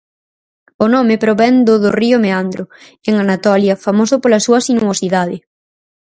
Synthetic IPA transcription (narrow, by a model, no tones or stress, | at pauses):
ʊnɔmepɾoβɛnd̪ʊðoriʊmeand̪ɾʊ | eŋanat̪ɔljɐfamosʊpolɐsuɐsinuosiðað̞ɪ